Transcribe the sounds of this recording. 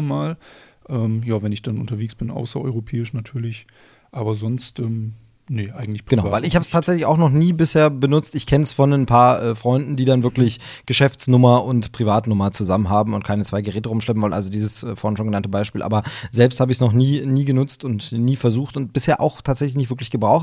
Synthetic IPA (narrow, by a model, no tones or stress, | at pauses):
maːlʔɛːmjaːvɛnɪçd̥anʊntɐveːksb̥ɪnʔa̰ʊsɐʔɔ̰ʏʁopʰɛːɪʃnatʰyːɐlɪç | ʔaːbɐzɔnstʔɛːm | nəʔa̰ɪɡŋ̩tlɪçpɡənaʊvaɪlɪçhaːbəstʰaːtzɛçlɪçaʊxnɔχniːbɪsheːɐbənʊt͡stɪçkʰɛnəsfɔnɛnpʰaːɐʔɛːfʁ̥ɔʏndn̩diːdanvɪɐklɪç | ɡ̥əʃɛft͡snʊmɐʊntpʁ̥ivaːtnʊmɐt͡suzamənɦaːbm̩ʊnt̚kʰaɪnət͡svaɪɡəʁɛːtəʁʊmʃlɛp̬n̩vɔlnʔa̰lzodiːzəsɛːfɔːɐhɪnʃoːnŋɡənantəbaɪʃpiːlʔa̰ːbɐzɛlpsthaːbəɪçsnɔχniːniːɡənʊt͡stʊntniːfɛɐzuːxtʊnt̚b̥ɪsheːɐʔa̰ʊxtʰaːtz̥ɛçlɪçnɪçtvɪɐklɪçɡ̥əbʁaʊxt